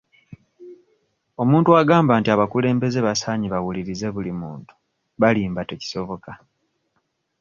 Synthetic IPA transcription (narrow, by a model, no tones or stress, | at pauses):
o̞muːntuaɡaːmbaːntiaβakule̞ːmbe̞ze̞βasaːɲiβawuliɾize̞βulimṵːntu̥ | βaliːmbateci̥so̞βo̞ka